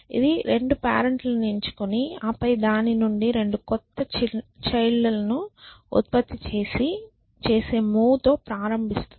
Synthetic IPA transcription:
ḭd̪iɾe̞ɳɖupa̰ːɾeɳʈlɐneɲt͡ʃu̥kuniɐːpɐjd̪aːninuɳɖiɾe̞ɳɖukɔt̪ːɐt͡ʃɐjlːɐlɐnuṵt̪̚pɐt̪ːit͡ʃe̞ːsi | t͡ʃe̞ːse̞ːmuːt̪o̞ːpɾaːɾɐmbʱist̪u

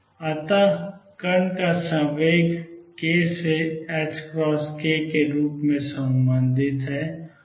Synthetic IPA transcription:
ɐt̪akəɾnkasəʋeːɡkeːseɛːʈskɾɔːskekeɾuːpmẽsə̃mbə̃nd̪ʱɪt̪ɦɛː

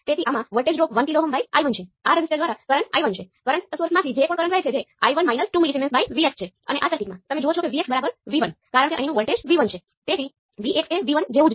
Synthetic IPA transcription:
t̪et̪ʰiʔamãʋəɭʈed͡ʒɾokʋənʈiloɦəmbʱaia̰jʋənt͡ʃʰeaɾəd͡ʒɪsʈeɖd̪ʋaɾakəɾəɳʈa̰jʋənt͡ʃʰe | kəɾəɳʈ̪əsuɾəsmãt̪ʰid͡ʒekõɳkəɾəɳʈʋajt͡ʃʰed͡ʒea̰jʋənmainəsʈumilisemensbʱaiʋiekst͡ʃʰe | ə̰neʔasəkʈːikmãt̪əmed͡ʒoot͡ʃʰokeʋiesbəɾabəɾʋiʋənkaɾəɳ̃keʔəɦĩnũʋəɭʈed͡ʒʋiʋənt͡ʃʰe | t̪et̪ʰi | ʋiʔekseʋiʋənd͡ʒeʋũd͡ʒ

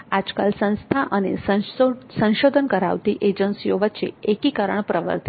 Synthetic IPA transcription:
ad͡ʒkalsə̃nst̪ʰaʔənḛssə̃nʃod̪ʱənkəɾa̰ʋt̪iʔed͡ʒənsijoʋət̪ːʃḛekikəɾəɳpɾəʋə̰ɾt̪i

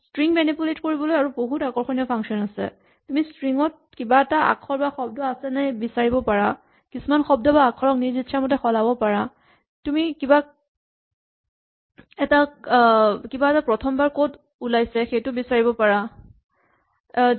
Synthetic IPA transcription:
stɹiŋmɛnipuletkoɹibɔlojaɹuboɦutakɔɹxɔniɔpʰaŋsiɔnasɛ̰ | tumistɹiŋɔt̚ | kibaɛtaʔa̰kʰɔɹbaxɔb̚dɔasɛnajbisaɹibɔpaɹa | kisumanxɔb̚dɔbaːkʰɔɹɔk̚niɹzitːʃamɔtɛxɔlabɔpaɹa | tumikiba | ɛta | kibaɛtapɹɔtʰɔmbaɹkot | ulajsɛxejtʊbisaɹibɔpaɹa

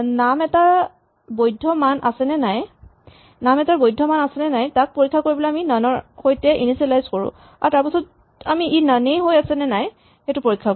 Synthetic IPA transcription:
namɛta | bojdʱːɔmanʔasɛnɛnaj | namɛtaɹbojdʱɔmanasɛnɛnajtak̚poɹikʰːakoɹibɔlɛjaminanɔɹxojtɛʔinisɛlajzkoɹʊ̰̃ | aɹtaɹpasɔt | amiinanejɦojasɛnɛnaj | xɛtʊpoɹikʰːa

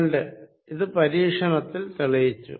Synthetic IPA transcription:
ɳɖɨ | iðɨpɐɾiːkʂɐɳɐt̪ːilt̪iɭijit͡ɕːṵ

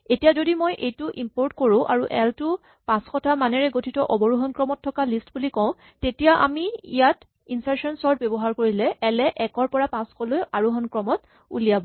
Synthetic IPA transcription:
etijazodimojʔejtʊʔimpoɹtkoɹʊ̃ʔa̰ɹuʔɛltʊ | pãskɔtʰamanɛɹɛɡotʰitɔʔɔbɔɹuɦɔnkɹɔmɔtʰːɔkalistbulikɔ̃ʊ̃ | tetijaʔa̰miḭjat | insaɹsɔnsɔɹtbebɔɦaɹkoɹilɛʔɛlɛʔɛkɔɹpɔɹapãskɔlojaɹuɦɔnkɹɔmɔt | ṵlijabɔ

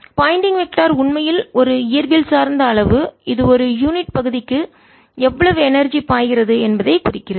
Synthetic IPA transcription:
pɐɪɳɖɪŋɡʋɛk̚ʈːaːɾʊɳmɐjɪlɔɾɯɪjɐɾʋɪlsaːɾnd̪ɐːɭɐʋɯɪðɯɔɾɯjuːnɪʈ̚pɐɣɯðɪkːɯ | ɛʋːɐɭɐʋɯɛnɐɾd͡ʒipaːjɣɪrɐðɯɛnbɐðɐɪkʊrɪkːɪrɐð

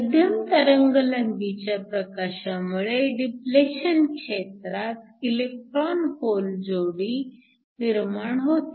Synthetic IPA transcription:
məd̪ʱjəmt̪əɾəŋɡələŋɡ̪it͡ɕjapɾəkaɕamuɭeɖipleɕənkʂet̪ɾat̪̚ | ilek̚ʈɾɔnhold͡zoɽiː | niɾmaɳɦot̪

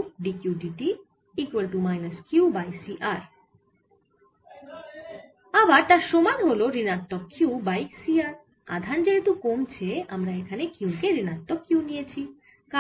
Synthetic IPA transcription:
ɖikjuɖiʈi | ikwelʈumajnɐskjubajsiʔaɾ | abaɾt̪aɾʃomanɦoloɾinaɾt̪ːokːiwbajksiaɾ | a̰d̪ʱand͡ʑet̪ukomt͡ɕʰeamɾaekʰanekiukeɾinaɾt̪ːokːiwnijet͡ɕʰi | ka

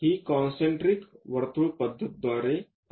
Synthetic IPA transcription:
ɦiːkɔ̃nsẽɳʈɾikʋəɾt̪uɭpəd̪ʱːət̪̚d̪ʋaɾe

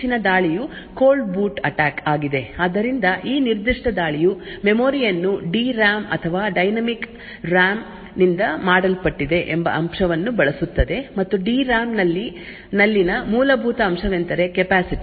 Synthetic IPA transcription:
inɐd̪aːɭiju | koːlɖbuːʈɐʈaːkaːɡid̪e̞aːd̪ɐɾind̪ɐʔiːniɾd̪iʂʈɐd̪aːɭijumemoːɾijɐnːuɖiːɾaːmɐ̰t̪ʰɐʋaːɖɐjnɐmik | ɾaːm | nind̪ɐmaːɽɐlpɐʈːid̪e̞ʔembɐ̰ʔɐmʂɐʋɐnːubɐɭɐsut̪ːɐd̪e̞mɐt̪ːuɖiːɾaːmnɐlːi | nɐlːinɐmuːlɐbʱuːt̪ɐːmʂɐʋent̪ɐɾe̞kepaːsiʈi

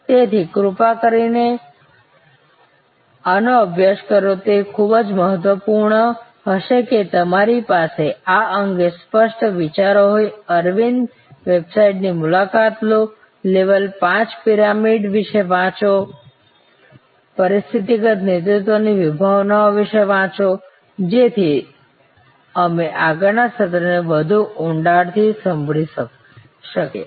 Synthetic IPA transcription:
t̪et̪ʰikɾupakəɾine | anoəbʱjaʃkəɾot̪ekʰubd͡ʒməɦət̪ʋəpuɾɳə | ɦəʃeket̪əmaɾipaseaəŋɡespəʃʈʋit͡ʃaɾoɦojəɾʋin | ʋebsaiʈnimulakat̪lo | leʋəlpãt͡ʃpiɾamiɖʋɪʃeʋãt͡ʃo | pəɾist̪ʰit̪iɡət̪net̪ɾut̪ʋoniʋɪbʱaʋnaoʋiʃeʋãt͡ʃo | d͡ʒet̪ʰi | əmeʔaɡəɾnasət̪ɾənebəd̪ʱuʊɳɖaɽt̪ʰisəmbʱɭi | ʃəkḛ

